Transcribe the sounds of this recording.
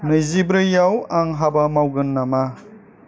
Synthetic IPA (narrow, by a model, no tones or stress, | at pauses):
nɯjzibɾɯjawaŋɦabamawɡɯnːama